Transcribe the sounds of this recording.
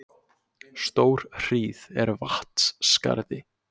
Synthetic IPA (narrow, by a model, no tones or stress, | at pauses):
st̪oːwɾ̥r̥iːðɛɾvaht̪sska̰ɾðɪ